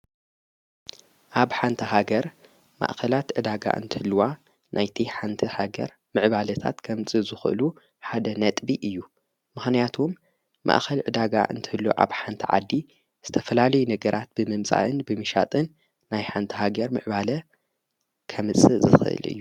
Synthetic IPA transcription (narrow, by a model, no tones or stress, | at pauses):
ʔaβħant̪ʰɐɦaɡɐɾ | ma̰ʔkɐlat̪ʕɨd̪aɡa̰ʔɨ̰nt̪ʰɨhɨlːwa | nʔajt̪ʰiħant̪ʰihaɡɐ̰ɾ | mɨʕβalɐt̪ʰa̰t̪kʰɐmt͡sʼɨzɨxʔlu | ħad̪ɐnɐt̪ʼbiʔɨjːu | mɨxnijat̪ʰomː | a̰ʔxɐlʕɨd̪aɡa̰ʔɨ̰nt̪ʰɨhɨlːoʔa̰βħant̪ʰɐʕa̰d̪ːi | z̥ɨt̪ʰɐfɐlalɐjunɐɡɐɾʔat̪̚bɨmɨmt͡sʼa̰ʔɨnbɨmɨʃat̪ʼɨnː | ajħant̪ʰiɦaɡɐɾmɨ̰ʕbalɐ | kʰɐmɨt͡sʼɨzɨ̰xɨʔɨ̰lʔɨ̰jːu